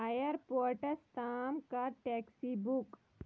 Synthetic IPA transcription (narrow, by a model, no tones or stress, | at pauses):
ajəɾpoːɾʈəɾst̪aːmkaʈɛːksibuk